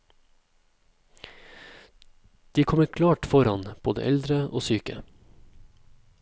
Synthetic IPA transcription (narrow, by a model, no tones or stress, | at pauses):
d̪̥iːkʰɔməkʰlɑːʈfɔɾɑnb̥oːd̪ə̰ʔɛld̪ɾəʔoːsyːkə̰